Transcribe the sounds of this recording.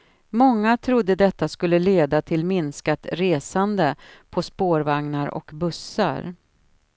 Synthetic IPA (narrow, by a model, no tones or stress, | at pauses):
mɔŋːat̪ʰɾʊd̪ːəd̪ɛt̪ːaskɵlːəleːd̪at̪ʰɪlmɪnskat̪ɾeːsand̪əpʰɔspoːɾvaŋnaɾɔ̰kbɵsːa̰ɾ